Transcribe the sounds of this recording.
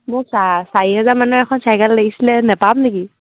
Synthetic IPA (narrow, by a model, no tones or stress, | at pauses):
mʊsasaɹiɦɛzaɹmanuɛkʰɔnsajɡalːaɡisilɛnɛpamneki